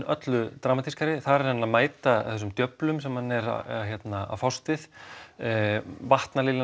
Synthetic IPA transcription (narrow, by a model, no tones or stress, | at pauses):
œt̪lʏt̪ɾaːmat̪ʰiskaɾɪθaɛɾanːaðmaːjt̪aθɛs̬ːʏmt̪jœplʏmsɛmhanːɛɾa̰çjɛt̪naa̰fɔwst̪ɪθ | vaht̪naliːlɪ